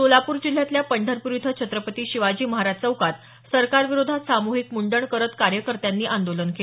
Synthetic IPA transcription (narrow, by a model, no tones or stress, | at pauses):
t̪olapuːɾd͡ʑil̤ːjat̪ljapəɳɖʱəɾpuɾjud̪ʱət͡ɕʰət̪ɾəpət̪iːɕiʋad͡ʑiːməɦaɾad͡ʑt͡səukat̪ | səɾkaɾʋiɾod̪ʱasamuɦikmuɳɖəɳkəɾət̪kaɾjəkəɾt̪janːiːʔand̪olənkee